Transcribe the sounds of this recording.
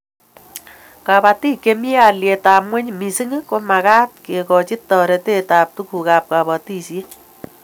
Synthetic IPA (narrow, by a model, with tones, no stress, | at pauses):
ka˨pa˧ti˦ke˧mi˦a˨lje˨ta˨pwʷɛ˦ɲmi˨si˦ŋi˦ko˦ma˨kaː˦t̚ke˨kɔ˨t͡ʃi˦tɔ˨ɾɛ˨te˦taː˨p̚tu˦ku˨ka˨p̚ka˨pa˨ti˦sje˦